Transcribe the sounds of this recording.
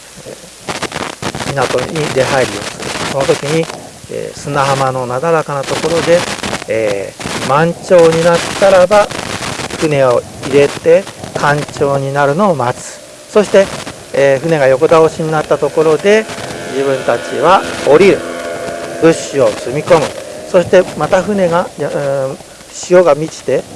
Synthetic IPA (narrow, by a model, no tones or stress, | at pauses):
mʲinat̪o̞ɲ̟iɾe̞ɦaeɾʲio̞̰sɨɾɯ̰sono̞t̪o̞kʲiɲ̟i | ḛːsɨnaɦamano̞nad̪aɾakanat̪o̞ko̞ɾo̞d̪e̞ː | mãɲ̟t͡ɕo̞ːɲ̟inat̪ːaɾaba | ɸɯ̟ne̞o̞iɾe̞t̪e̞kʰãɲ̟t͡ɕo̞ːɲ̟inaɾɯ̟no̞ːmat͡sɨ̥ | so̞ɕi̥t̪e̞ | ɸɯ̟ne̞ɡajo̞kod̪aoɕiɲ̟inat̪ːat̪o̞ko̞ɾo̞d̪e̞d͡ʑiβɯ̟̃nt̪at͡ɕḭβao̞ɾʲiɾɯ̟ | bɯ̟ɕɨo̞t͡sɨmʲiko̞mɯ̟so̞ɕi̥t̪e̞mat̪aɸɯ̟ne̞ɡa | ɕio̞ɡamʲit͡ɕi̥t̪e̞